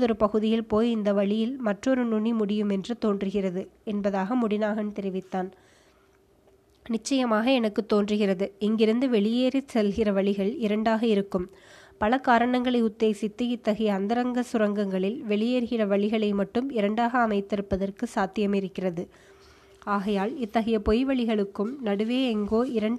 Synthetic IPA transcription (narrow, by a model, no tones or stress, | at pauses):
ðɔɾɯpɐɣɯðɪjɪlpoːjɪnd̪ɐʋɐɭɪjɪlmɐʈrɔɾɯnʊɳimʊɽɪjɯmɛndrɯt̪oːndrɯɣɪrɐðɯɛnbɐðaːɣɐmʊɽɪnaːɣɐnt̪ɛɾɪʋɪt̪ːaːn | nɪt͡ʃːɐjɐmaːɣɐɛnɐkːɯt̪ːoːndrɯɣɪrɐðɯɪŋɡɪɾɯnd̪ɯʋɛɭɪjeːɾɪsɛlɣɪrɐʋɐɭɪɣɐɭɪɾɐɳɖaːɣɐɪɾɯkːɯm | pɐlɐkaːɾɐɳɐŋɡɐɭɐɪʊd̪ːeːsɪt̪ːɯɪt̪ːɐɣɐjɐːnd̪ɐɾɐŋɡɐsʊɾɐŋɡɐŋɡɐɭɪlʋɛɭɪjeːɾɣɪrɐʋɐɭɪɣɐɭɐɪmɐʈːɯmɪɾɐɳɖaːɣɐːmɐɪt̪ːɪɾɯpːɐðɐrkɯsaːt̪ːɪjɐmɪɾɯkːɪrɐðɯ | aːɣɐjaːlɪt̪ːɐɣɐjɐpɔjʋɐɭɪɣɐɭɯkːɯmnɐɽɯʋeːɛŋɡoːɪɾɐɳ